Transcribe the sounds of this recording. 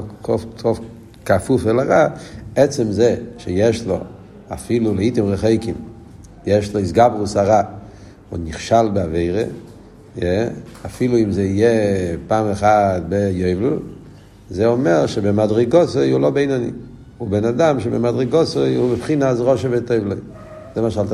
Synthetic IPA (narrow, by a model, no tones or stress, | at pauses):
kɔɔf | kafufɛlaʁaɛt͡sɛmzɛʃɛjɛʃlo̰ | a̰filuleitimʁɛχeɪkim | jɛʃloisɡabʁusaʁa | unnːiχʃalbeaveɪʁḛ | jɛafiluimzɛijepaːmeχat̚bejoɪvlṵ | zɛɔmɛʁʃebemadʁiɡɔsojulobeejnɔnḭ | ubɛnadamʃebḛmadʁiɡɔsoɪubɪpχinasʁɔʃevetoɪvloj | zɛmaʃalt